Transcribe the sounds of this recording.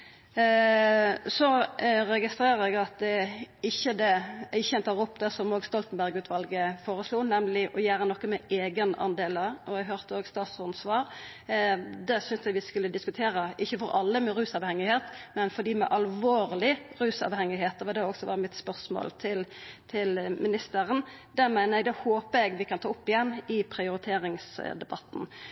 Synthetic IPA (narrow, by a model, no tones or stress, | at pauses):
sɔɾɛɡɪst̪ɾeːɾəɾɛɡɑt̪̚d̪ɛɪçːəd̪ɛɪçːəɛnt̪ʰɑːʁɔpːd̪ɛsɔmoːɡst̪ɔlt̪n̩bæʁɡʉːt̪ʰʋɑlɡəfoːɾəsluːnɛmlɪʔɔjæːɾənɔkːəmɛeːɡənɑ̰nd̪eːləɾɔɛɡɦøʁt̪əoːɡst̪ɑːt̪sʊnsʋɑːɾ | d̪ɛsʏnsɛɡʋɪskʉlːəd̪ɪskʉt̪ʰeːɾəʔɪçːəfɔɾɑlːəmɛɾʉːsɑʋhɛŋːɪheːt̪mɛnfɔd̪iːmɛ̰ʔɑlʋoːɾlɪʁʉːsɑ̰ːʋhɛŋɪɦeːt̪̚d̪ɛʋɑd̪ɛɔksɔʋɑːʁəmɪt̪spœʁsmo̰ːlt̪ʰɪlt̪ʰɪlmɪnɪst̪əɾən | d̪æmænəɛɡ̚d̪ɛhoːpəɛɡʋɪkʰɑnt̪ʰɑːʊpːɪjɛnːɪpʰɾɪʊɾɪt̪ʰeːɾɪŋsd̪ɛbɑt̪ːn̩